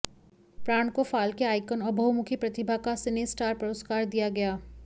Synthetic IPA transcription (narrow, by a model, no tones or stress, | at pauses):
pɾaːɳ̃kofaːlkeaːɪkənɐbʱɐɦumʊkʰipɾɐt̪ɪbʱakasɪnisʈaːɾpɐɾəskaːɾd̪ijaɡɐjaː